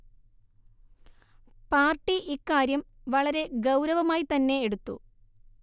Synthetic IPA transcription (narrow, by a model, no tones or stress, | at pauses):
paːrʈːiʔikːaːɾjɐmʋɐɭɐɾe̞ɡɐwɾɐʋɐmaːjit̪ɐnːe̞eɽut̪ːṵ